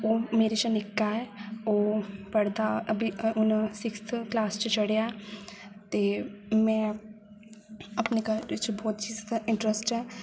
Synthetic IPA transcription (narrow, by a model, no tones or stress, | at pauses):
oːmeːɾet͡ʃanɪkːaɛoːpəɽd̪aəbʱiʊnsɪkst̪ʰklaːst͡ʃt͡ʃəɽejaɛ | t̪eːmɛ̃ː | əpnekat͡ʃbɔːt̪t͡ʃiːzɪ̃ɳʈɾəsʈɛː